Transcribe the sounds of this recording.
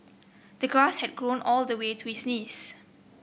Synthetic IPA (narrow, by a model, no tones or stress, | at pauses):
d̥əɡɹashɛd̚ɡɹõnʔɔldəwetʰuhisnis